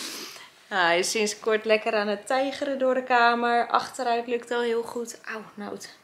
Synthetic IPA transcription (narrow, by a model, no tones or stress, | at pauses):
aɛjsɪnskʊɹtlɛkəɾaːnətɛjχəɾədʊːɹdəkaːməɹʔɑ̰χtəɾœɥtlɵktɔlˠɦɪəlˠχutʔawnawt